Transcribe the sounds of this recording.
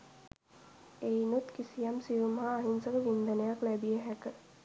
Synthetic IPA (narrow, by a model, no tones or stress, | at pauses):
einut̪kisijamsiʋuməɦaːɦinsəkəʋind̪ənəjaklæbijeɦækə